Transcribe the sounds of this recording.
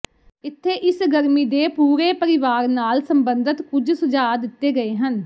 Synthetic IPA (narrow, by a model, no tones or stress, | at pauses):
ɪt̪ʰːeːʔɪsɡəɾmiːd̪eːpuːɾeːpəɾɪʋaːɾnaːlsəmbənd̪ət̪kʊd͡ʒsʊd͡ʒaːd̪ɪt̪ːeːɡəeːɦən